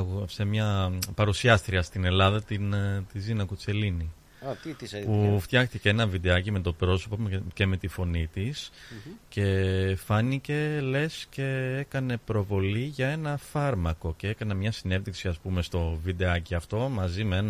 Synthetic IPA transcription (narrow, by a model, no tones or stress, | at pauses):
se̞mɲɐpɐɾusiɐst̪ɾiɐst̪ine̞lɐðɐt̪int̪izinɐku̥t͡se̞lini | puft̪jɐxt̪iceenɐnvid̪eɐcimet̪o̞pɾo̞sopoce̞me̞t̪ifo̞nit̪isce̞fɐnice̞le̞sce̞e̞kɐne̞pɾo̞vo̞liʝɐe̞nɐfɐɾmɐko̞cee̞kɐnɐmɲɐsine̞ðiksiɐspume̞st̪o̞vid̪e̞ɐciɐft̪o̞mɐzimeen